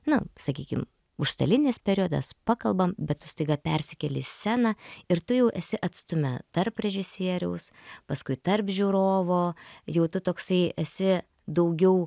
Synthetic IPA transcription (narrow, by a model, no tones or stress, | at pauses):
nʊsɐkʲiːkʲɪ̰m | ʊʃst̪ɐ̰lʲɪnʲeːspʲɛɾʲiod̪ɐ̰spɑːkɐlˠbɐmbʲɛt̪t̪ːʊst̪ɐɪɡɐpʲɛrʲsʲɪkʲɛlʲɪsʲsʲænɐɪrt̪ʊjɛʊʔɛsʲɪʔɐt̪st̪ʊmʲɛ̰t̪ɐrprʲɛʒʲɪsʲiɛɾʲɛ̰ʊspɐskʊɪt̪ɐrpʒʲuːɾoːʋoːjɛʊt̪ʊt̪oːksɐɪɛsʲɪ | d̪ɐʊɡʲɛʊ